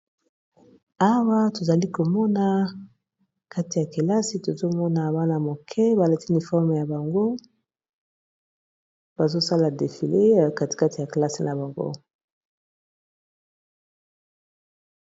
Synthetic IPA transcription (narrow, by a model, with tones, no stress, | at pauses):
a˦wa˦to˨za˨li˦ko˨mɔ˦na˨ | ka˦ti˨ja˨ke˨la˦si˨to˨zo˦mɔ˦na˨ba˦na˨mo˨kʰɛ˦ba˨le˨ti˦ni˨fɔ˦ʁm˨ja˨ba˨ŋɡo˦ | b̥a˨zo˦sa˦la˨de˨fi˨le˦˨ka˦ti̥˨ka˦ti˨ja˨ke˨la˦si˨na˨ba˨ŋɡo̰˦